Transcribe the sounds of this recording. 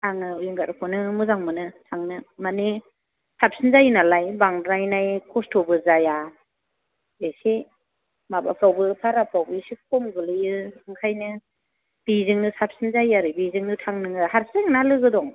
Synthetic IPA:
tʰaŋɯujiŋɡaɾkʰɔnɯmɯzaŋmɯnɯtʰaŋnɯmani | sap̚sinzajnalajbaŋdɾajnajkʰɔstʰɔbɯzaja | esi | maba̰pʰɾawbɯpʰaɾapʰɾawbɯsik̚ʰɔmɡɯlɯjɯɯŋkʰajnɯ | b̥izɯŋnɯsap̚sinzajaɾɯbizɯŋnɯtʰaŋnɯŋɯhaɾseŋnalɯɡɯdɔŋ

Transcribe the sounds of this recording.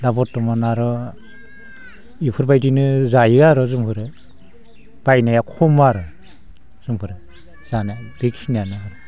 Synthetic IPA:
dabɔtːɔmɔnaɾɔ | ipʰɯɾbajdinɯzajɯaɾɔzumpʰɯɾɯ | b̥ajnajakʰɔmaɾɔ | z̥umpʰɯɾɯ | z̥anab̥iksinianaaɾɔ

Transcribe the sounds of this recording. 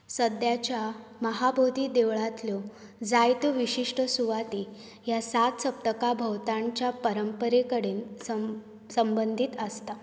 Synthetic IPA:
səd̪jat͡ɕjaməɦabʱod̪ʱiːd̪eʋɭat̪ljo | d͡zajt̪uʋiɕiʂʈəsuʋat̪iː | jasat̪səp̚t̪əkabʱəwt̪ãɲt͡ɕjapəɾəmpəɾekəɽeːnsə | səmbənd̪ʱit̪əst̪a

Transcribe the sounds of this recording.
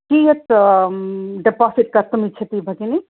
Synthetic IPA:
kiet̪ | ɖepasiʈ̚kɐɾt̪umit͡ʃʰet̪ibʱɐkini

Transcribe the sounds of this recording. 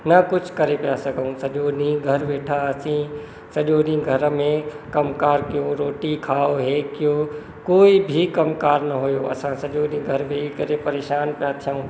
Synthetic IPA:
nɐkʊt͡ʃʰkɐɾepijasɐɡʱəũsɐʄonĩɡʱɐɾʋeːʈʰaɐsĩ | sɐʄonĩɡʱɐɾmẽ | kɐmkaːɾkɪjõɾoːʈikʰaːoɦeːkɪjo | koːibʱikɐmkaːɾnɐɦʊjoɐ̰sãsɐʄonĩɡʱɐɾmẽikɐɾepɐɾeːʃaːnpijat̪ʰijãũː

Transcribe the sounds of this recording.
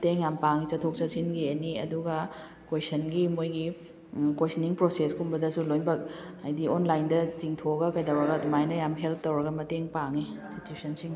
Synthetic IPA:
ɐteŋjampaŋit͡ʃɐtʰok̚t͡ʃɐsinɡiɐniɐ̰duɡɐ | kwesɐnɡimojɡi | kwejsɐniŋpɾoseskumbɐdɐsulojnbɐk̚ | ɐjdionlajndɐt͡ʃiŋtʰoɡɐkɐjdɐwɾɐɡɐdumajnɐjamɦelp̚tɐwɾɐɡɐmɐteŋpaŋisitusɐnsiŋ

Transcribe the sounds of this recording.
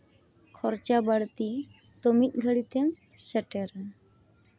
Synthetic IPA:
kʰɔɾt͡ʃabəɽt̪i | t̪omic̪̚ˀɡʱəɽit̪ʰɛn | səʈɛɾ

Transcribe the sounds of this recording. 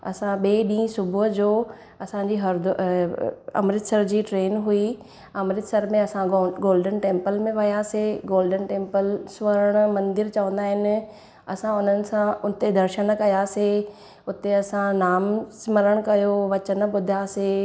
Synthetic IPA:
ɐ̰sãɓeːɗĩːsʊbʱɦd͡ʑoː | ɐsãːɲd͡ʑiːɦɐɾd̪ʊ | ɐ̰mɾɪt̪sɐɾd͡ʑiːʈɾeːnɦui | ɐmɾɪt̪sɐɾmẽɐsãɡoːlɖənʈẽːmpəlmẽʋɐjaːseɡoːlɖənʈẽːmpəlsʋəɾəɽ̃mɐ̃nd̪ɪɾt͡ɕɐʋə̃nd̪aːɦɪnɪ̆ | ɐ̰sãʊn̤ənɪ̆sãʊn̆t̪ed̪ɐɾʃəɽ̃kɐjaːse | ʊt̪eɐsãnaːmsɪmɐɾəɽ̃kɐjoʋɐt͡ɕənɓʊd̪ʱjaːse

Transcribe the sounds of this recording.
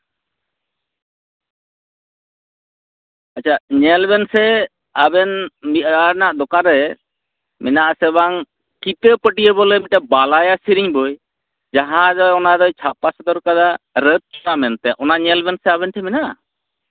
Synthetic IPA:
at͡ʃʰaɲɛlbɛnsɛ | abɛnmianaʔd̪ɔkaɾɛ | mɛnaʔsɛbaŋ | kit̪əpəʈijəbɔlɛmiʈabalajasiɾiɲbɔj | d͡ʒaɦãd͡ʒɔɔnaɾɔjt͡ʃʰapasad̪ɔɾkad̪aɾət̪̚amɛnt̪ɛʔɔnaʔɲɛlbɛnsɛaβɛnʈʰɛminaʔ

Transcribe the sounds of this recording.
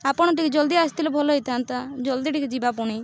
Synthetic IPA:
apɔɽ̃ɔʈikid͡ʒɔld̪iast̪ilɔbʱɔlɔɦit̪ʰant̪ad͡ʒɔld̪iʈikid͡ʒibapuɽ̃i

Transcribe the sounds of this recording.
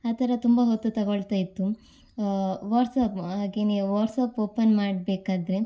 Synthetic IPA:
aːt̪ʰɐɾɐt̪umbɐɦot̪ːut̪ɐɡoɭt̪ajit̪ːu | ʋaːʈsɐpaːɡeniʋaːɾsɐpoːpɐnmaːɽbeːkaːd̪ɾe̞

